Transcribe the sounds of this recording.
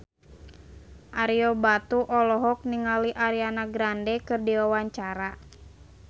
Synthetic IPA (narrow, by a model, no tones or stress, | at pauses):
ʔaɾiɔbat̪uʔɔlɔɦɔk̚niŋaliʔaɾianaɡɾandɛkɨrdiwawaɲt͡ʃaɾa